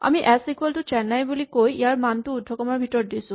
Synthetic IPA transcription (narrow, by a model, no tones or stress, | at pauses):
a̰miʔɛsikwɔltʊt͡ʃɛnːajbulikojijaɹmantuːdʱːɔkɔmaɹbʱitɔɹdisu